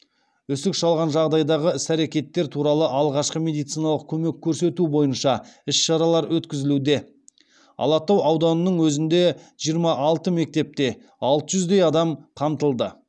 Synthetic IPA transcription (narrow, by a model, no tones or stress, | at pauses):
ʏsɪkʃɑlˠʁɑnʒɑʁd̪ɑjd̪ɑʁəɪsæɾekʲe̞t̪ːeɾt̪ʰuɾɑlˠəʔɑlˠʁɑʃqəme̞d̪ijt̪sijnɑlˠəq̚kʲʰɵme̞kʲʰːɵɾse̞t̪ubo̞jənʃɑɪsʃɑɾɑlˠɑɾwɵt̪kʲɪzɪlud̪e̞ | ɑ̰lˠɑt̪ːɑwɑwd̪ɑnənəɴwɵzɪnd̪e̞ʒ̥ijəɾmɑʔɑlˠt̪əme̞k̚t̪e̞p̚t̪e̞ | ɑlˠt̪əʒʏzd̪e̞jɑd̪ɑmqʰɑmt̪əlˠd̪ə